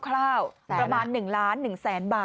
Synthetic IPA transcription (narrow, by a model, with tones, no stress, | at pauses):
kʰlaː˥˩wpɾa˧maː˧nːɯ˨˩ŋlaː˦˥nːɯ˨˩ŋsɛː˩˦nbaː˨˩